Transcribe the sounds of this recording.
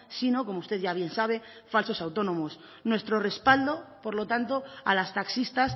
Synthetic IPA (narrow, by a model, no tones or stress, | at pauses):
sino̞ko̞moust̪e̞ðʝaβ̞je̞nsaβ̞e̞ | falso̞sawt̪o̞nõ̞mos | nwe̞st̪ɾo̞re̞spald̪o̞po̞ɾlo̞t̪ant̪o̞a̰last̪aksist̪as